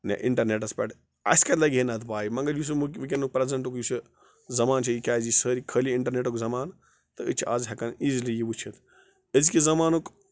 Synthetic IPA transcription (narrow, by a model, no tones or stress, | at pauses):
nɛ̰ʔḭɳʈɐɾneʈ̬ɐspʲɐʈʰ | ɐ̰sʲkɐt̪lɐɡʲenɐt̪ʰpaːjimɐŋɡɐɾjus̬uukʋik̬ʲenuk̚pɾɐzɐɳʈukjusɨ | zɐmaːnt͡ʃʰijikʲaːzisəːɾikʰəliiɳʈɐɾneʈukzɐmaːn | t̪ɨɨt͡ʃʰʔɐzɦʲɐkɐniːzilijiʋut͡ʃʰit̪ʰ | əzkizɐmaːnuk